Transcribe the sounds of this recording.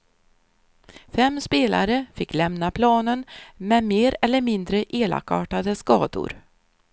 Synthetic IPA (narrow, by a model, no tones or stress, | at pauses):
fɛmːspeːla̰ɾəfɪkːlɛmnapʰlɑːnənmɛmeːɾɛlːəɾmɪnd̪ɾəʔeːla̰kɑːʈad̪əskɑːd̪ʊ̰ɾ